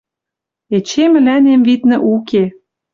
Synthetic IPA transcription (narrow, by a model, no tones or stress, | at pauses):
et͡ɕemɘ̆lænemvit̪nɘ̆ʔuke